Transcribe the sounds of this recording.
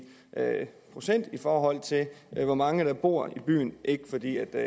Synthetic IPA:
pʰʁo̝sen̰d̥ifɒːɦɒ̽l̰t͡sʰe̝lʋɒmɑ̈ŋəɾ̥ɑ̈b̥o̝ɐ̰ib̥y̰ːnʔe̝ɡ̥əfɒ̽d̥ḭːæd̥

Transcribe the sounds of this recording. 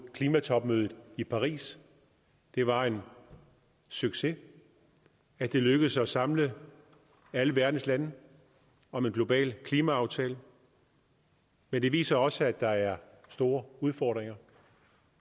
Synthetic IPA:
kʰliːmæt͡sʰɒ̽b̥møːð̞ˠð̩ˠipʰɑ̈ʁḭːs | d̥e̝ʋɑ̈e̝n | syɡ̥se̝ | æd̥e̝løɡ̥əð̩ˠsɒ̽sɑ̈mlə | æləʋæɐd̥n̩slænə | ɒ̽me̝nɡ̥lo̝b̥ɛ̰ːlkʰliːmæɑ̈ʊt͡sʰɛ̰ːlə | mend̥e̝ʋḭːsɐɒ̽səæd̥ɑ̈æɐ | sd̥o̝ːɐuð̞ˠfɒ̰ːd̥ʁeŋɐ

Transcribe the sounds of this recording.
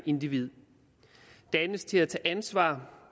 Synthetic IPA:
ʔe̝nd̥iʋið̞̰ˠ | d̥ænəst͡sʰe̝læt͡sʰɛːʔænsʋɑ̰̈ː

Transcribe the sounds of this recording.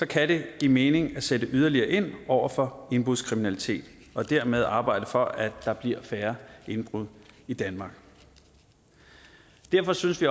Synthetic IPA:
sɒ̽kʰæde̝ɡ̥ime̝ːne̝ŋæsed̥əʔyð̞ˠɐliɐːʔe̝n̰ʔɒʊ̰ɐfɒ̽e̝nb̥ʁuðˠskʰʁiminælit͡sʰe̝̰ːd̥ɒ̽d̥æɐmeð̞ˠɑ̈ːb̥ɑ̈ɪ̰d̥əfɒ̽ʔæd̥ɑ̈b̥liɐ̰fæːɐe̝nb̥ʁuð̰ˠid̥ænmɑ̈ːɡ̥ | d̥æɐ̰fɒ̽synəsʋi

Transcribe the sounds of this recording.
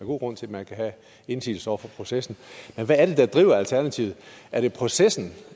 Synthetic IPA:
ɡo̝̰ːɡ̥ʁɔ̽n̰t͡sʰe̝mænkʰæɦæ | e̝nsḭːl̩sɒ̰ɐfɒ̽pʰʁo̝sesn̩menʋæːɐɾ̥e̝d̥ɑ̈d̥ʁḭːʊ̰ɐælt͡sʰæɐnæt͡sʰiʊð̩ˠæɐɾ̥e̝pʰʁo̝sesn̩

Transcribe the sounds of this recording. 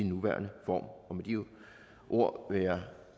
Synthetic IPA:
inːuʋæ̰ːɐnəfɒ̰ːmɒ̽med̥io | ʔo̝ɐ̰ʋejɑ

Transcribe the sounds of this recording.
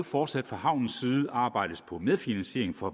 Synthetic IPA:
fɒːd̥sæd̥fʁɑ̈hɑ̈ʊ̰nn̩siːð̩ˠɑ̈ːb̥ɑ̈ɪ̰d̥əspʰɒ̽meðˠfinænse̝̰ɐ̰eŋ̩fɒ̽

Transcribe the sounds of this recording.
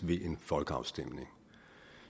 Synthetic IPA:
ʋe̝ʔe̝nfɒ̽lɡ̥əɑ̈ʊsd̥em̰ne̝ŋ

